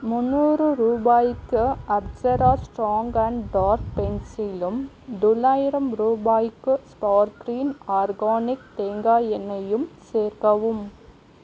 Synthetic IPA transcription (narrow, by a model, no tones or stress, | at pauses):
mʊnːuːɾɯɾuːbaːjɪkːɯɐb̚d͡ʒɐɾaːsʈɾaːŋɡɐɳɖɖaːɾk̚pɛnsilɯm | d̪ɔlːaːjɪɾɐmɾuːbaːjɪkːɯspaːɾkɾiːnaːɾɡaːnɪk̚t̪eːŋɡaːjɛnɐjɯmseːɾkɐʋɯm